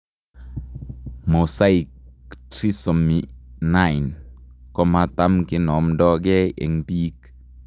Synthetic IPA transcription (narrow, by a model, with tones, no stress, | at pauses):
mo˨sa˦i˨kti˦sɔ˨mi˨na˦˨jnkɔ˦ma˦t̪a˦mkɪ˦nɔ˨mdɔ˦ɡɛ˦ḛ˨ŋpiː˦k